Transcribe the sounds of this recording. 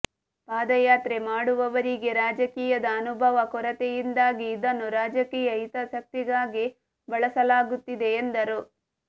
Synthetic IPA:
paːd̪ɐjaːt̪ɾe̞maːɽuʋɐʋɐɾiɡe̞ɾaːd͡ʒɐkiːjɐd̪ɐːnubʱɐʋɐkɔɾɐt̪ejind̪aːɡiːd̪ɐnːuɾaːd͡ʒɐkiːjɐit̪ɐsɐk̚t̪iɡaːɡi | bɐɭɐsɐlaːɡut̪ːid̪e̞ːnd̪ɐɾu

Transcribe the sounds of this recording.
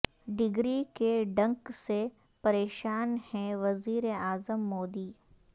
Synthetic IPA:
ɖɪɡɾikeɖɐ̃ŋkse | pɐɾeːʃaːnhɛ̃ʋɐziːɾeaːzəmːoːd̪iː

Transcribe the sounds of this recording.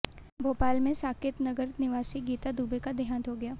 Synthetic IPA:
bʱoːpaːlmẽsaːkɪt̪nɐɡəɾnɪʋaːsiɡiːt̪ad̪uːbekad̪ʱijaːnt̪oɡɐjaː

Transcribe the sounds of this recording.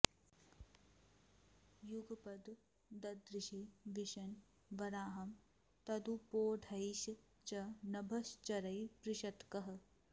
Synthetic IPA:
juɡɐpɐd̪ | d̪ɐd̪ɾɪʃiʋiʃɐn | ʋɐɾaːɦɐm | t̪ɐd̪upoːɖʱɐjʃ | t͡ʃɐnɐbʱɐst͡ʃɐɾɐjpɾɪʃɐt̪kɐɦɐ̆

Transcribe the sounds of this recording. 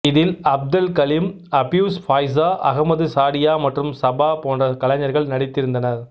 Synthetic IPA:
ɪðɪlɐb̚d̪ɐlkɐlim | ɐbjuːsfaːjs̬aːʔɐɣɐmɐðɯsaːɽɪjaːmɐʈrɯmsɐbaːpoːndrɐkɐlɐɲɐɾɣɐɭnɐɽɪt̪ːɪɾɯnd̪ɐnɐɾ

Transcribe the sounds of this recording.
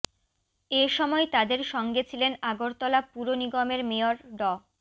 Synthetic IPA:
eʃɔmɔet̪ad̪eɾʃɔŋɡet͡ɕʰilenaɡoɾt̪ɔlapuɾoniɡɔmeɾmeoɾɖɔ

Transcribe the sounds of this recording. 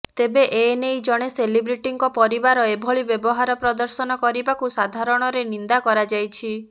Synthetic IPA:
t̪ebeʔenejd͡ʒɔɽ̃eselibɾiʈiŋkɔpɔɾibaɾɔebʱɔɭibjebɔɦaɾɔpɾɔd̪ɔɾsɔnɔkɔɾibakusad̪ʱaɾɔɽ̃ɔɾenind̪akɔɾad͡ʒajt͡ʃʰi

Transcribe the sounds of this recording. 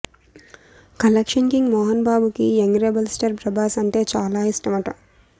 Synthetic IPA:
kɐlɐkʂɐnkiŋɡmɔːɦɐnbaːbukieŋɡɾebɐlsʈɐɾpɾɐbaːsɐɳʈe̞ːt͡ʃaːlaːisʈɐmɐʈɐm

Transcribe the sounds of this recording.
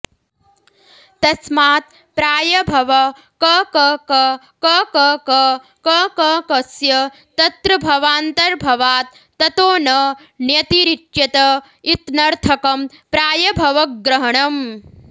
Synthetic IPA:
t̪ɐsmaːt̪ | pɾaːjɐbʱɐʋɐ | kɐkːkɐ | kɐːkɐːkɐ | kɐːkɐːkɐsjɐ | t̪ɐt̪ɾɐbʱɐʋaːnt̪ɐɾbʱɐʋaːt̪̚ːɐt̪oːnɐ | njɐt̪iɾiʈʃɐt̪ɐ | it̪nɐɾt̪ʰɐkɐm | pɾaːjɐbʱɐʋɐɡɾɐɦɐɳɐm

